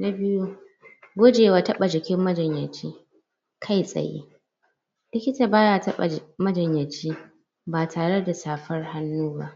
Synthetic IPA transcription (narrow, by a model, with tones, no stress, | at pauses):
na˦bɪ˦ju˦ | ɡʷo˦d͡ʒeː˨waː˨tɐ˦ɓa˨d͡ʒɪ˨kʲɪ˦mːɐ˦d͡ʒɐ˨ɲjɐ˨t͡ʃiː˦ | kʰa˦˨jsʼɐ̰˨jḭː˦ | lɪ˦kʲɪ˦taː˨baː˦jaː˨tɐ˦ɓa̰˨mɐ˦d͡ʒɐ˨ɲjɐ˨t͡ʃiː˦ | baː˨tʰaː˨ɽe˦da˨saː˨ɸɐ˦rha˦nːuː˦baː˦